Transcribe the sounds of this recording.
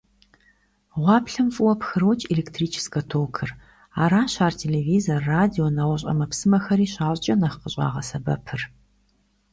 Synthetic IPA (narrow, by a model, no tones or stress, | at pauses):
ʁʷɑːpɬɨmfʼɨwɔpxɨɾowt͡ʃʼeleːktʰriːt͡ʃʰɪ̥skɐtʰoːwkʰɨr | aːɾaːnɕaːrtʰeːleviːzorːaːdionɐʁʷɐɕ̬ʼɐ̰mɐpsɨmɐxɐɾiːɕaːɕʼt͡ʃʼɐnɐχqəɕʼa̰ːʁɐsɐbɐ̰pʰɨr